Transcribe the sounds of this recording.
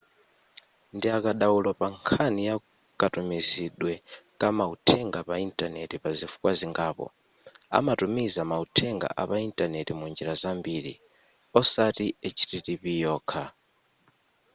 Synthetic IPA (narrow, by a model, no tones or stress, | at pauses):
ndiakaɗawulɔpaŋkʰanija | kʼatumiziɗwɛkʼamautʰɛŋɡapaintʼanɛtipazifu̥kwaziŋɡaːpɔ̰ | a̰matumizamautʰɛŋɡa̰ʔapaintʼanɛtimund͡ʒiɾazambiɾḭ | ɔsatiɛt͡ʃʰi̥ɾitipijɔːkʰa